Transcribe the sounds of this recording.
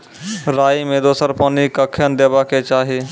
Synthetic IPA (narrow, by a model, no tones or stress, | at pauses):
ɾaːimẽd̪oːsəɾpɔːnikəkʰjənd̪eːbaket͡ʃaːɦi